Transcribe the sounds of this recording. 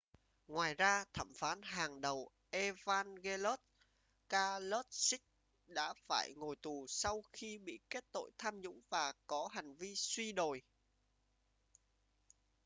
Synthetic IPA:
ŋwaː˨˩jzaː˧t̪ʰə̰˧˩mfaː˨˦nɦaː˨˩ŋɗə˨˩w | ʔe˧vaː˧nɣe˧lo˦˥t̚ | kaː˧lo˦˥t̚sï˦˥k̚ | ɗa̰ː˧˥faː˧˩jŋo˨˩jt̪u˨˩sa˧wxi˧ɓḭ˧˨ke˦˥t̚t̪o̰˧˨jt̪ʰaː˧mɲʊ̰˧˥ŋ͡mvaː˨˩kɔ˨˦ɦa˨˩jŋ̟vi˧swi˧ɗo˨˩j

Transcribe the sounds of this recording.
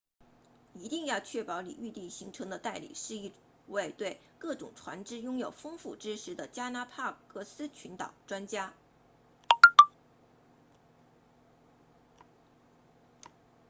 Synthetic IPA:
i˧˥t̪i˥˧ŋjɑ˥˧ʊt͡ɕʰɥɛ˥˩pɑ˧˥ʊlḭ˨˩y˥˧t̪i˥˩ŋɕi˧˥ŋʈ͡ʂʰɤ˧˥ŋd̪ə˧t̪a˥˩ɪlḭ˨˩˦ʂɻ̩˥˧i˥˩ | we˥˧ɪt̪we˥˧ɪ | kɤ˥˩ʈ͡ʂʊ̰˨˩ŋʈ͡ʂʰwa̰˧˥nʈ͡ʂɻ̩˥jʊ˥ŋjo˨˩ʊfɤ˥ŋfu˥˩ʈ͡ʂɻ̩˥ʂɻ̩˧˥d̪ə˧t͡ɕja˥na˧˥pʰa˥˧kɤ˥˩sɹ̩˥t͡ɕʰy˧˥nt̪ɑ̰˨˩ʊʈ͡ʂwa˥nt͡ɕja˥

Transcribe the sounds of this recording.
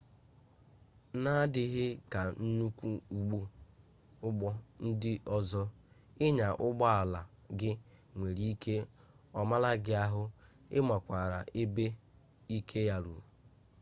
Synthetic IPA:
na˦dɪ˦ɦɪ˦ka˨n̩˦nu˦kʷu˦u˨ɡ͡bu˦ | ʊ˦ɡ͡bɔ˦n̩˦dɪ˦ʔɔ˦zɔ˦ | ɪ˦ɲa˨ʔʊ˦ɡ͡bɔ˦a˨la˨ | ɡɪ˦ŋʷe˨ɾi˨˦i˦ke˦ | ɔ˨ma˦la˦ɡɪ˦a˦ɦʊ˦ | ɪ̰˦ma˨kʷa˨ɾa˨ʔe˦be˦ | i˦kʰe˦ja˦ɾṵ˨

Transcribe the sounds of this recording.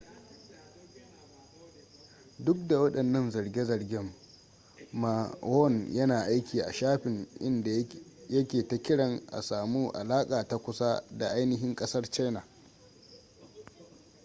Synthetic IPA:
dʊ˦k̚da˨wɐ˦ɗɐ˨nːɐ˦nzɐ˨ɽɡʲe˦zɐ˨rɡʲɪ˦mː | a˨wɔ˦˨njɐ˦naː˨ʔa˦jkʲiː˨ʔa̰˨ʃaː˦ɸɪ˨ŋʔɪ̰˦nda˨jɐ˦kʲeː˨ta˦kʲɪ˦ɽɐ˨ŋʔa̰˨saː˨muː˦ʔa̰˨laː˦kʼaː˨ta˦kʷʊ˦sa˦da˨ʔa˦jnɪ˦ɦɪ˦ŋkʼɐ˦sɐ˦rt͡ʃa˦jna˨ʔ

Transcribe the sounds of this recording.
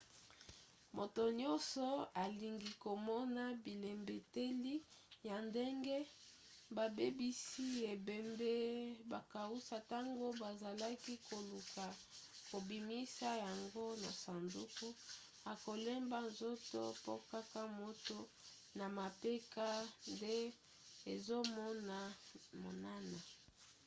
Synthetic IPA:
mo˨to˨ɲɔ˦sɔ˨a˨li˨ŋɡi˨ko˨mɔ˦na˦bi˨le˨mbe˨te˦li˦ja˨nde˦ŋɡe˦ | ba˨be˦bi˦si˦e˨be˨mbe˦ba˨ka˨u˦sa˨ta˦ŋɡo˦ba˨za˨la˦ki˦ko˨lu˨ka˨ | ko˨bi˨mi˦sa˦ja˨ŋɡo˦na˨sa˨ndu˦ku˦ | a˨ko˨lɛ˦mba˦nzo˦to˦po˦ka˦ka˦mo˦to˦ | na˨ma˨pe˦ka˦nde˦ | e˨zo˦mɔ˦na˨mo̰˨na˦na˨

